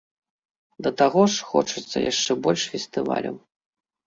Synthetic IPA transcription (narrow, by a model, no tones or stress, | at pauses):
d̪ɐt̪aɣɔʂxɔ̰t͡ʂɨt̪sːɐ̰jʔaʂt͡ʂɛbɔlʲʂfʲɛsʲt̪ɨva̰lʲɐ̰w